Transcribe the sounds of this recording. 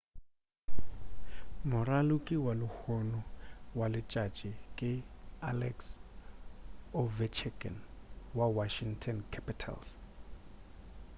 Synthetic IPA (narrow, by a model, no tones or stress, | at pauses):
mʊralukʼiwalʊhɔnɔwalɪt͡ʃʼat͡ʃʼikʼɪalɛks | ɔvɛt͡ʃʰɛɡɛ̰nwawaʃiŋtʰɔnkʰapʼitʰa̰ls